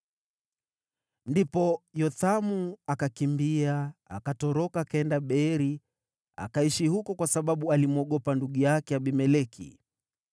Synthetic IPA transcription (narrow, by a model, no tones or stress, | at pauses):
ndipɔjɔθamuakakimbiaa̰katɔɾɔkaːkaɛndaɓɛɾi | a̰kaiʃihukɔkwasaɓaɓualimuɔɠɔpanduɠujakɛaɓimɛlɛkʰḭ